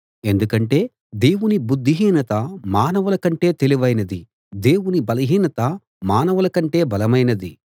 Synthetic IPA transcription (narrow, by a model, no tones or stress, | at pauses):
e̞nd̪ukɐɳʈe̞ː | d̪e̞ːwunibud̪ʱːiɦiːnɐt̪ɐmaːnɐʋɐlɐkɐɳʈe̞ːt̪eliʋɐjnɐd̪i | d̪e̞ːwunibɐlɐɦiːnɐt̪ɐ | maːnɐʋɐlɐkɐɳʈe̞ːbɐlɐmɐjnɐd̪i